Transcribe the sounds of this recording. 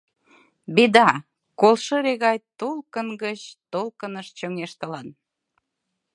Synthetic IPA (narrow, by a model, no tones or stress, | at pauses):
bed̪ɑ | kolʃəɾeɣɑjt̪ulkənɡət͡ɕt̪olkənəʃt͡ɕoŋeʃt̪əlɑn